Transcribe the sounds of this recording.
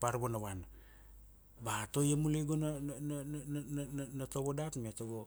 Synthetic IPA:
paɾbonawan | bato̞jamuleɡona | nnatoβodatmetoɡo

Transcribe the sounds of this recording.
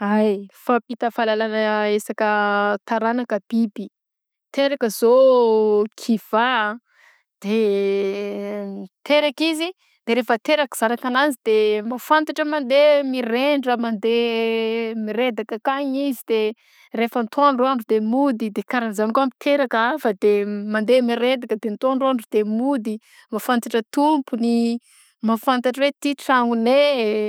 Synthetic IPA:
ajfapit̪əfalalanəesakət̪aɾanakəb̥ibi | t̪eɾakəzo | kʰiv̥a | d̪̥e | t̪eɾakizi | d̪̥eɾefət̪eɾaki̥z̥anakanazid̪emafant̪aʈ͡ʂəmand̪emireɳɖ͡ʐəmand̪e | miɾed̪akəkaɲizid̪e | refənt̪ʰoanroaɳɖ͡ʐud̪emud̪id̪ekaɾanizanikuamit̪ʰeɾakaafad̪emand̪emiɾed̪akəd̪ent̪oanroaɳɖ͡ʐud̪emud̪i | mafant̪aʈ͡ʂət̪umpuni | mafant̪aʈ͡ʂəwet̪iʈ͡ʂaŋune

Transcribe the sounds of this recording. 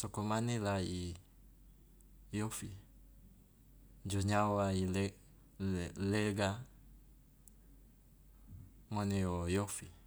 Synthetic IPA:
sɔkɔmanilai | jɔfi | ɲd͡ʒɔɲawail | lɛɡa | ŋɔnɛɔjɔfi

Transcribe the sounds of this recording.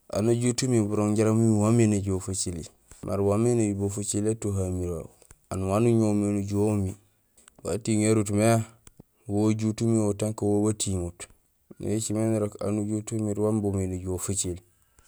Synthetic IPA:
ʔa̰naɟutumibuɾoŋɟaɾamuiwameneɟofat͡ʃili | mʔa̰ɾwamenebofat͡ʃiletoɦamiɾa | anwanuɲominuɟomi | wa̰tiŋeɾut̬mea | woɟutumiotaŋkawowatʰiŋut | nḛt͡ʃimeniɾoka̰nuɟutumiɾwambumineɟofat͡ʃil

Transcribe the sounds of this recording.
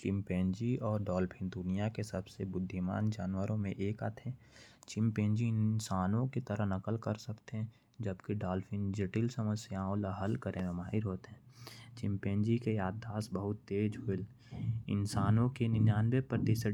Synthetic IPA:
t͡ʃɪmpẽːnd͡ʒiɔːɾɖaːlfʰɪ̃nd̪ʊnijakesəbsebʊd̪ʱːɪma̰ːnd͡ʒaːnwəɾõmẽʔeːka̰t̪ʰɦɛ̃ | t͡ʃɪ̃mpẽːnd͡ʒiɪnsaːnõket̪əɾəɦnɐkəlkəɾsəkt̪eɦɛ̃ | d͡ʒəbkiɖaːlfɪ̃nd͡ʒeʈɪlsəməsjaõlaɦəlkəɾʔemẽmaːɦɪɾɦoːt̪eɦɛ̃ːt͡ʃɪ̃mpẽːnd͡ʒikejaːd̪aːsbəɦʊt̪ːeːd͡ʒɦʊɪl | ɪ̰nsaːnõkenɪnjaːnbepɾət̪ɪsə

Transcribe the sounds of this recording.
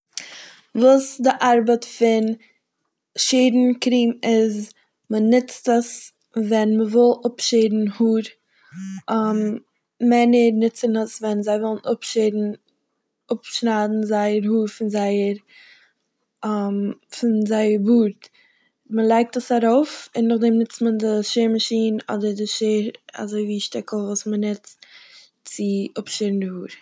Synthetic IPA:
vuːsdɪʔaɾbətfɪn | ʃeːdn̩kɾiːmɪz | mənɪt͡stəs | vɛnməvɪlˠʊpʃeɪdn̩huːɾ | am | mɛnəɾnɪt͡sənəsvɛnzaɪvɔlˠn̩ʊpʃedn̩ | ʊpʃnaːdn̩zaɪəɾhuːɾfɪnzaɪəɾ | amfɪnzaɪəɾvuːɾt | məlˠaɪk̚təsaɾoʊfɪnːʊχdɛmnɪt͡stməndɪʃeːɾmaʃiːnɔ̰dəɾdɪʃeːɾa̰zoɪviːʃtɛkl̩ˠvuːsmənɪt͡st | t͡sɪʔʊpʃedn̩dɪhuːɾ

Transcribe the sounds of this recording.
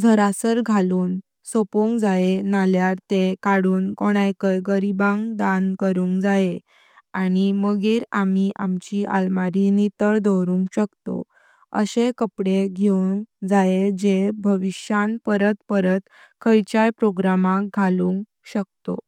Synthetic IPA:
d͡zʱəɾasəɾɡʱaluːn | sopuŋkd͡zaenaljaɾt̪ekaɽuːnkoɽ̃ajkəjɡəɾibãŋɡd̪ankəɾuːŋkd͡zaje | aɽ̃iməɡiːɾamiʔamt͡ɕia̰lmaɾinit̪əɾd̪owɾũːŋkɕəkt̪o̰ | ə̰ɕekəpɽeɡʱeuŋkd͡zajed͡ʑebʱəʋiɕjanpəɾət̪pəɾət̪ | kʰəjt͡ɕajpɾoɡɾamãkɡʱalũŋk | ɕək̚t̪o̰

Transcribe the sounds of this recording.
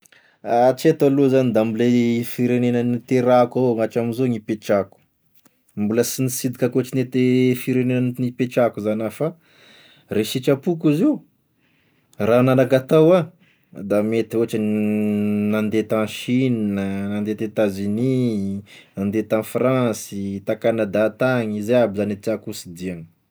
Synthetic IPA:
at͡ʃet̪aluzanid̪ambilefiɾenenənit̪eɾakaŋaʈ͡ʂaminzoŋipet͡ʃaku̥ | mbuləsinisid̪ikakoaʈ͡ʂinet̪efiɾenenəninipeʈ͡ʂakuzanafa | reʃit͡ʃapukiziu | rananakat̪awa | d̪amet̪ioaʈ͡ʂə | nand̪et̪ãnʃinnənand̪et̪et̪azini | nand̪et̪amfrãsit̪akanəd̪at̪aɲizeabizanet̪iakusid̪iaŋə̥

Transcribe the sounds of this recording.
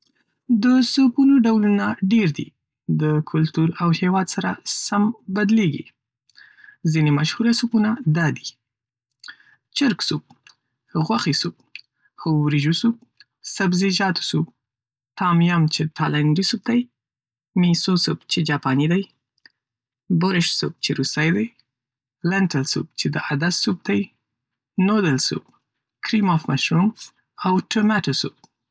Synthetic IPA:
d̪əsupunoɖawlunaɖeɾd̪ḭ | d̪əkʰʊlt̪uɾawhewɑd̪saɾa̰sambad̪leɡḭ | zinemaʃhuɾasupunad̪ɑd̪i | t͡ʃɪɾksub̚ | ɣwaxisub̚ | xowɾiʒusup̚ | sabziʒɑt̪u̥sub̚ | t̪ɑmjamt͡ʃet̪ʰalaɳɖisub̚d̪aj | misosubt͡ʃed͡ʒɑpɑnid̪aj | bʊɾɪʃsṵb̚t͡ʃeɾust̪ajd̪aj | laɳʈalsṵb̚t͡ʃed̪əad̪assub̚d̪aj | nod̪əlsṵb̚ | kɾimɔfmaʃɾun | awʈʊmaʈasub̚

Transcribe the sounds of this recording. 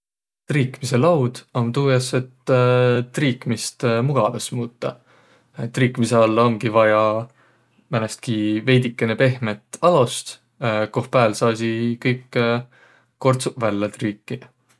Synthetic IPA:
t̪riːkmise̞lɑwd̪̥ont̪uːjɑset̪ːt̪ːriːkmist̪muɡ̥ɑd̪esmuːt̪ːɑ̰ | t̪ːriːkːˑmise̞ɑlːɑoŋɡ̥ivɑjɑ | mænest̪̚kive̞jd̪ikːˑenepe̞hmet̪ːˑɑlost̪ | ko̞hpæːlsɑːsikɤjkː | o̞rt̪suvælːɑt̪riːkːi

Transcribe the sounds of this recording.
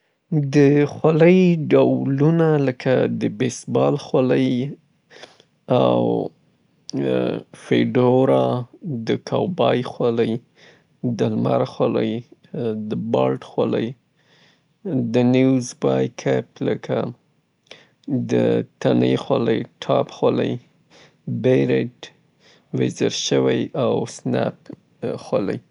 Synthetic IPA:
d̪əxwaləjɖawlunaləkʰad̪əbesbɑlxwaləj | aw | feɖoɾad̪əkʰawbɑjxwaləj | d̪əlmaɾaxwalə̰jd̪əbɑlʈxwaləj | d̪ənizbɑjkʰapləka | d̪ət̪anexwaləjʈʰɑpxalə̰j | beɾeʈ | wezəɾʃəwajawsnap̚ | xwalaj

